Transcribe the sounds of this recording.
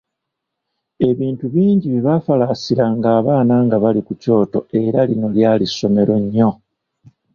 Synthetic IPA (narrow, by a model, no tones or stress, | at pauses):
e̞βiːntuβiːɲɟiβiβafalasiɾaŋɡaːβaːnaːŋɡaβalikuco̞ːto̞̰e̞ɾalino̞ljaːliso̞me̞ɾo̞ɲːo̞